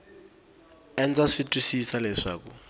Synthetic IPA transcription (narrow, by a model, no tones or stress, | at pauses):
ɛnd͡zaʂitʼwisisalɛʂa̰ːku